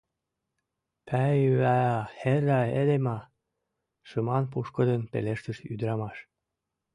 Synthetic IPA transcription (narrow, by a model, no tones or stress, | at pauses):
pʰæyæɑherɑed̪emɑ | ʃɨmɑnp̬uʃkɤ̆d̪enpḛleʃt̪əʃy̰d̪ɾɑmɑʃ